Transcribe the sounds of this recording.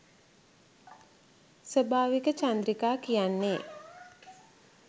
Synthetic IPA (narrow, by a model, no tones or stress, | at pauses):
səbʱaːʋikət͡ʃand̪ɾikaːkijanːeː